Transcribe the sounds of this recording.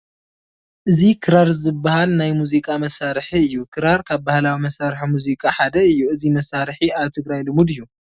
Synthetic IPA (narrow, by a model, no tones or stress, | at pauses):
ʔɨzikʰɨɾaɾzɨbːahalnajmuzikʼamɐsaɾħiɨjːukʰɨɾaɾkʰaβbahlawimɐsaɾħamuzikʼaħad̪ɐɨjːuɨzimɐsaɾħiaβt̪ʰɨɡɾajlɨmud̪ɨjːu